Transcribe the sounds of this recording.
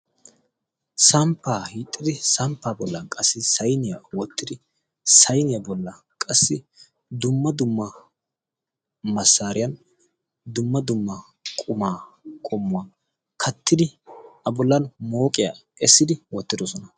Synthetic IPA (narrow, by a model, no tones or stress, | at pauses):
sɐmpːaːhiːt̪ʼːɪd̪ɪsɐmpːaːbɔlːɐkʼɐsːɪsɐjnɪjɐwɔt̪ːɪd̪ɪ | sɐjnɪjɐbɔlːɐ | kʼɐsːɪ | d̪ʊmːɐd̪ʊmːɐ | mɐsːaːɾɪjɐn | d̪ʊmːɐd̪ʊmːɐ | kʼʊmaːkʼɔmːʊwaː | kʰɐt̪ːɪd̪ɪɐbɔlːɐnmoːkʼɪja | ɛsːɪd̪ɪwɔt̪ːɪd̪ɔsɔnɐ